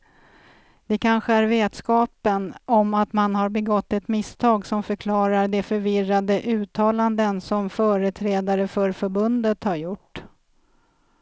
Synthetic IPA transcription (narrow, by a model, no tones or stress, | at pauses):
d̪̥ɛkʰanɧəæɾveːt̪skɑːpənɔmat̪manɦaɾbɛɡɔt̪ːɛt̪mɪst̪ʰɑːɡsɔmfœɾkʰlɑːɾaɖɛfœɾvɪrad̪əʔʉ̟ːt̪ʰɑːland̪ənsɔmfœːɾət̪ʰɾɛːd̪aɾəfœɾfœɾbɵnd̪ət̪haɾjʊʈː